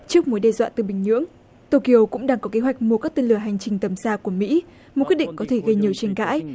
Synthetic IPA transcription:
t͡ɕɨ˦˥ək̚mu˨˦jɗɛ˨˩zwa̰ː˧˨t̪ɨ˨˩ɓï˨˩ŋ̟ɲɨ̰˧˥əŋ | t̪o˧ki˧ʔo˧kʊ̰˧˥ŋ͡mɗaː˧ŋkɔ˨˦ke˨˦ɦwa˨˩jk̟̚mu˧kaː˦˥k̚t̪e˧nlɨ˧˩əɦa˨˩jŋ̟t͡ɕï˨˩ŋ̟t̪ə˨˩msaː˧ku˧˩əmḭ˧˥ | mo˨˩t̚kw̚ɗḭ˧˨ŋ̟kɔ˨˦t̪ʰe˧˩ɣə˧jɲi˨˩əwt͡ɕe˧˩ŋka̰ː˧˥j

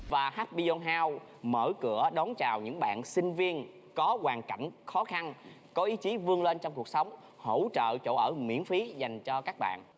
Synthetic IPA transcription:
vaː˨˩haː˦˥t̚ɓi˧zo˧nɦaː˧w | məː˧˩kɨ˧˩əɗɔ˨˦nt͡ɕaː˨˩wɲɨ̰˧˥ŋɓa̰ː˧˨nsï˧ŋ̟vi˧ən | kɔ˨˦kwaː˨˩nka˧˩˨jŋ̟xɔ˨˦xa˧n | kɔ˨˦ʔi˨˦t͡ɕi˨˦vɨ˧əŋle˧nt͡ɕɔ˧wŋ͡mku˨˩ək̚sə˨˦wŋ͡m | ho˧˥˨wt͡ɕə̰ː˧˨t͡ɕo̰˧˩ʔəː˧˩mḭ˧˥ənfi˨˦za˨˩jŋ̟t͡ɕɔ˧kaː˦˥k̚ɓa̰ː˧˨nʔ

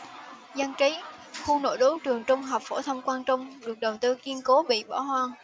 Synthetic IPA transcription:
za˧nt͡ɕi˨˦ | xu˧no̰˧˩jɗo˨˦ŋt͡ɕɨ˨˩əŋt͡ɕʊ˧wŋ͡mɦaː˨˩wp̚fo˧˩t̪ʰə˧wŋ͡mkwaː˧nt͡ɕʊ˧wŋ͡mɗɨ˨˩ək̚ɗə˨˩wt̪ɨ˧ki˧ənko˨˦ɓḭ˧˨ɓɔ̰˧˩hwaː˧ŋ

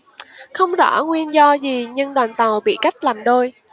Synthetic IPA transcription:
xə˧wŋ͡mzɔ̰˧˥ŋwi˧ənzɔ˧zi˨˩ɲɨ˧ŋɗwaː˨˩nt̪ə˨˩wɓḭ˧˨ka˦˥jk̟̚laː˨˩mɗo˧j

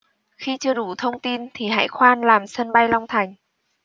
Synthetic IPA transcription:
xi˧t͡ɕɨ˧əɗu˧˩˦t̪ʰə˧wŋ͡mt̪i˧nt̪ʰi˨˩ɦa̰ː˧˥jxwaː˧nlaː˨˩msə˧nɓa˧jla˧wŋ͡mt̪ʰa˨˩jŋ̟

